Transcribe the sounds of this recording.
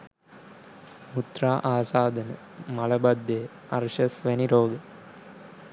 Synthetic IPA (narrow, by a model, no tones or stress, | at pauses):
mut̪raːʔaːsaːd̪ənə | mɐlɐbad̪ːeː | ɐɾʃɐsʋæniɾoːɡə